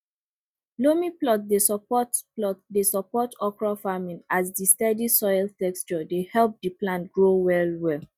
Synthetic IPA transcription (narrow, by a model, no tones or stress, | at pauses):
lomiplɔt̚desɔpɔtplɔtdesɔpɔtɔkɹafamĩnasdistɛdisɔjltɛkst͡ʃɔdehɛlp̚diplãntɡɹowɛlwɛl